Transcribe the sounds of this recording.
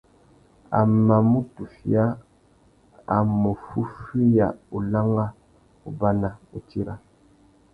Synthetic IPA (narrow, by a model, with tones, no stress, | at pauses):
a̰˨mːa˨mu˦tu˨fi˦a˦ | a˨mu˨fu˦fi˦ja˨u˨la˦ŋa˦ | u˨ba˦na˨u˨ti˦ɾa˦